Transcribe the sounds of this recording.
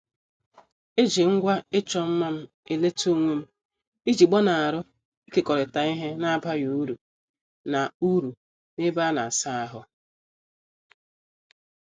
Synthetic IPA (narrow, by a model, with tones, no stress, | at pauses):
e˦d͡ʒi˨ŋ̩˦ɡʷa˦e˦t͡ʃɔ˨m̩˦ma˦m̩˦ | e˨le˦to˦ŋʷe˦m̩˦ | i˦d͡ʒi˨ɡ͡bɔ˦na˨a˨ɾʊ˦ | i˦ke˨kɔ˨ɾɪ˨ta˨i˦ɦe˦na˦ba˦ju˨u˦ɾu˨ | na˨u˦ɾu˨ | nɪ˦ba˦na˨sa˦a˦ɦʊ˦